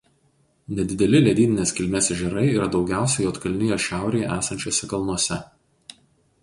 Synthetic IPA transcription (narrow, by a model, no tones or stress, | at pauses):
nʲɛd̪ʲɪd̪ʲɛlʲɪlʲɛd̪ʲiːnʲɪnʲeːsʲkʲɪlʲmʲɛsʲʒʲɛɾɐɪiːɾɐd̪ɒʊɡʲæˑʊsʲɛjoːt̪kɐlʲnʲɪjoːʃʲæˑʊɾʲeːjɛʔæːsɐnʲt͡ʃʲoːsʲɛkɐlˠnuɔsʲɛ